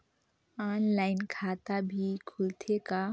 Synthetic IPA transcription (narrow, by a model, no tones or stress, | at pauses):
anlaɪnkʰat̪abʱikʰult̪ʰeka